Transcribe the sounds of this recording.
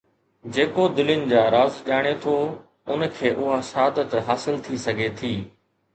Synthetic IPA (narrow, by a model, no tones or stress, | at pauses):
d͡ʑeːkod̪ɪlɪnɪ̆d͡ʑaːɾaːzʄaːɽ̃et̪ʰoː | ʊnkʰeːʔʊɦasaːd̪ət̪ɦaːsɪlt̪ʰisɐɡʱet̪ʰiː